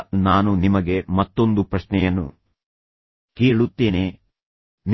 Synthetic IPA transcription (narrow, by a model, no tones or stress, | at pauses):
naːnunimɐɡe̞mɐt̪ːo̞nd̪upɾɐʃnɛjɐnːṵ | ke̞ːɭut̪ːe̞ːne | n